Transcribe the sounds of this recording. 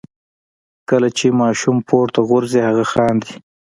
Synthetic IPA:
kəlat͡ʃemɑːʃumpʰoɾt̪aɣʊɾzihaɣaxɑːnd̪i

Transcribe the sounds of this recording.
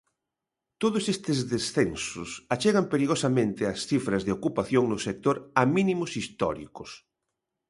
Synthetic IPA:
t̪oðʊsest̪ezðesθensʊsat͡ʃeɣ̞ampeɾiɣ̞osamẽnt̪ɪasθifɾɐzðeokupaθjoŋnʊsek̚t̪oɾaminimʊsist̪ɔ̰ɾḭkʊs

